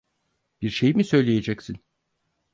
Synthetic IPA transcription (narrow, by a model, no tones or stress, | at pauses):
b̥iɾʃe̞jimisø̞jlʲeje̞d͡ʒɛcsin